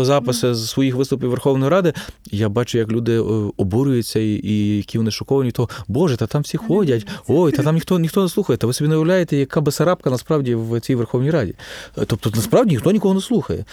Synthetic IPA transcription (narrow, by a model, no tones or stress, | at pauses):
zapɐsɐzsʋɔjixʋɪst̪ʊpʲiʋerxɔwnɔjɾad̪ɪjabat͡ʃʊjɐklʲud̪ɪɔbuɾʊjʊt͡sʲːɐijɐkʲiɔnɪʃɔkɔʋɐnʲit̪ɔbɔʐɛt̪ɐt̪amfsʲixɔdʲɐtʲojt̪ɐt̪amnʲixt̪ɔnʲit̪ɔneslˠuxɐjɛt̪ɐʋɪsɔbʲinɐjɐwlʲajet̪ɛjɐkabɐsɐɾap̚kɐnɐspɾawdʲiwt͡sʲijʋɛrxɔwnʲijɾadʲit̪ɔpt̪ɔt̪nɐspɾawdʲinʲixt̪ɔnʲikɔɦɔneslˠuxɐjɛ̰